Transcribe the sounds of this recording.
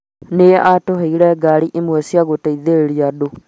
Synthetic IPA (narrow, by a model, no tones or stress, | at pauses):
neʔatoɦeiɾɛɡaɾiʔemwɛsiaɣotaiðeɾeɾiado